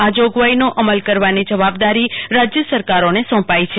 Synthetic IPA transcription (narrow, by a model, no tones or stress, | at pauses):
ad͡ʒoɡʋainoʔəməlkəɾʋanid͡ʒəʋabd̪aɾiɾad͡ʒjəsəɾkaɾonesɔ̃pait͡ʃʰe